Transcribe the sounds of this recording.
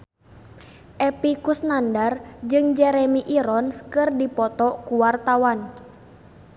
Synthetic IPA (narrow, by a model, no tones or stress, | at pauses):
ʔɛpikusnandard͡ʒɨŋd͡ʒɛɾɛmiʔiɾɔnskɨrdipɔt̪ɔkuwart̪awan